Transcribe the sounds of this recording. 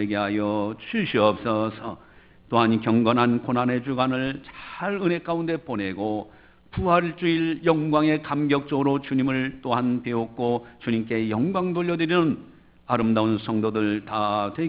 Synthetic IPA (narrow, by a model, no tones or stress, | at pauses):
eɡeɦajʌt͡ɕʰuɕʰiʌp̚s͈ʌsʰʌ | t͈oɦankjʌŋɡʌnɦankonane̞d͡ʑuɡanɯɭt͡ɕḁɾɯne̞k͈aunde̞pone̞ɡo | puɦaɭt͡ɕ͈uiljʌŋɡwaŋe̞kamɡjʌk̚t͡ɕ͈ʌɡɯɾot͡ɕuɲimɯɭt͈oɦanpe̞ok̚k͈ot͡ɕuɲimk̬͈e̞jʌŋɡwaŋdoʎːʌdɯɾinɯn | aɾɯmdaunsʰʌŋdodɯɭtatwe